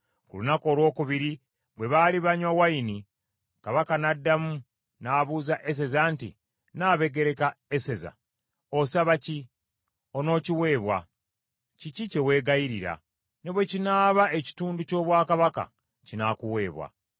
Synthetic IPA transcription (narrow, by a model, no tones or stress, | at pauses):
kṵlunako̞ːlwo̞ːkuβiɾi | βwe̞βaːliβaɲwawaini | kaβakanadːamu | naːβuzaʔe̞s̬e̞zaːntḭ | naːβe̞ɡe̞ɾe̞kaese̞za̰ | o̞saβaci | o̞no̞ːciwe̞ːβwa̰ | cicice̞we̞ːɡajiɾiɾa̰ | ne̞βwe̞cinaːβae̞ci̥tuːnduco̞ːβwaːkaβaka̰ | cinakuwe̞ːβwa̰